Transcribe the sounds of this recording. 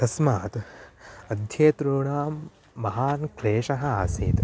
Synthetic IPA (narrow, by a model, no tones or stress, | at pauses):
t̪ɐsmaːt̪ | ɐd̪ʱjeːt̪ɾoːɳaːmː | ɐɦaːnkɾeːʃɐɦɐ̆aːsiːt̪